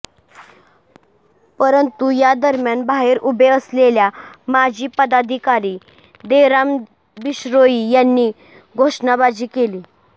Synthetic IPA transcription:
pəɾənt̪ujad̪əɾmjanbaɦeɾubʱeəsleljamad͡ʑʱiːpəd̪ad̪ʱikaɾiː | d̪eɾam | biɕɾoiːjanːiː | ɡʱoʂnabad͡ʑiːkeliː

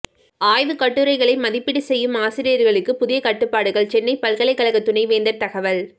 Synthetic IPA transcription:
aːjʋɯkɐʈːɯɾɐɪɣɐɭɐɪmɐðɪpːɪɽisɛjːɯmaːsɪɾɪjɐɾɣɐɭɯkːɯpʊðɪjɐkɐʈːɯpːaːɽɯɣɐɭt͡ʃɛnːɐɪpɐlɣɐɭɐɪkːɐlɐɣɐt̪ːʊɳɐɪʋeːnd̪ɐɾt̪ɐɣɐʋɐl

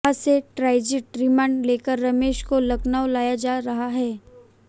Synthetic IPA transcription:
aseʈɾaːɪd͡ʒɪʈɾɪmə̃ːɳɖleːkəɾːɐmeːʃkolɐknaːwlaːjad͡ʒaːɾɐɦaɦɛː

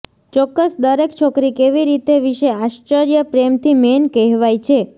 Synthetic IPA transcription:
t͡ʃɔkːəsd̪əɾekt͡ʃʰɔkɾikeʋiɾit̪eʋiʃeaʃt͡ʃəɾjəpɾemt̪ʰimenkɛɦʋajt͡ʃʰe

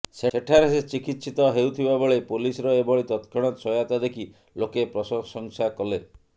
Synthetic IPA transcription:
seeʈʰaɾeset͡ʃikit̪sit̪ɔɦewt̪ʰibabɔɭepulisɔɾɔebɔɭit̪ɔt̪kʰɔɽ̃ɔsʰɔjat̪ad̪ekʰi | lokepɾɔsɔsɔŋsakɔle

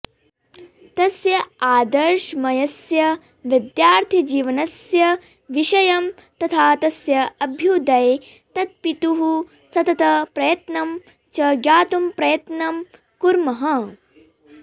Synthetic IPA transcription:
t̪ɐsjɐaːd̪ɐɾʃmɐjɐsjɐ | ʋid̪jaːɾt̪ʰid͡ʒiːʋɐnɐsjɐ | ʋiʃɐjɐmt̪ɐt̪ʰaːt̪ɐsjɐɐbʱjud̪ɐj | t̪ɐt̪̚pit̪uɦu | sɐt̪ɐt̪ɐpɾɐjɐt̪nɐm | t͡ʃɐːɡjaːt̪umpɾɐjɐt̪nɐm | kuɾmɐɦɐ

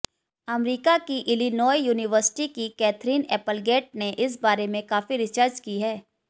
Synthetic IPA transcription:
ɐmɾiːkakiʔɪlinɔːjjuːnɪʋəɾsɪ̥ʈikikɛːt̪ʰɾiːnɛːpəlɡeːʈ̚neʔɪs̬baːɾemẽkaːfiɾɪt͡ʃəːɾd͡ʒkiɦɛː

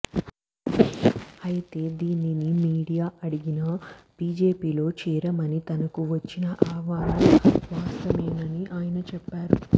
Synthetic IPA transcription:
ɐjit̪e̞ːd̪iːninimiːɽijaːɐɽiɡinɐ | b̥iːd͡ʒe̞ːpiːlo̞ːt͡ʃiːɾɐmɐnit̪ɐnɐkuʋɐt͡ʃːinɐʔaːʋaːlɐmʋaːst̪ɐmɛːnɐniʔaːjɐnɐt͡ʃɛpːaːɾu

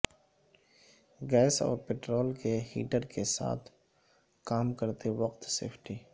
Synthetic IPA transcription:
ɡɛːsɔ̰ːɾpeʈɾoːlkehḭːʈəɾkesa̰ːt̪ʰ | kaːmkəɾt̪eʋɐqt̪sḛːpʰʈiː

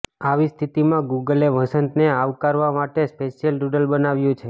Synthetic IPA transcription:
aʋist̪ʰit̪imãɡuɡəleʋəsənt̪neaʋkaɾʋamaʈespeʃijəlɖuɖəlbənaʋjũt͡ʃʰe

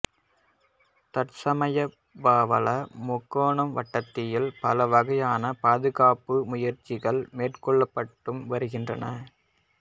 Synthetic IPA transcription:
t̪ɐʈsɐmɐjɐ | baːʋɐlɐmʊkːoːɳɐmʋɐʈːɐt̪ːɪjɪlpɐlɐʋɐɣɐjaːnɐpaːðɯɣaːpɯmʊjɐɾt͡ʃːɪɣɐɭmeːʈkɔɭːɐpːɐʈːɯmʋɐɾɯɣɪndrɐnɐ

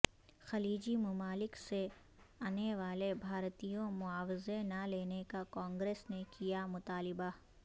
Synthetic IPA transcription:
xɐliːd͡ʒimɐmaːlɪkse | aːneʋaːlebʱaːɾt̪ijõmʊaːwɪzenɐleːnekakɔ̃ːŋɡɾeːsnekijamʊt̪aːlɪba

